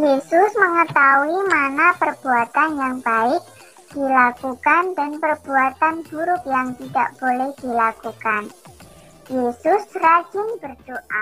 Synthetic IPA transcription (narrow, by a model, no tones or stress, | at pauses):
jesʊsməŋət̪auimanapərb̥uat̪anjaŋb̥aɪk̚ | d̪̥ilakukandanpərb̥uat̪anb̥uɾʊk̚jaŋt̪idaʔb̥olɛhd̪̥ilakukan | jesʊsrḁd͡ʒ̥ɪnb̥ərd̪̥oʔa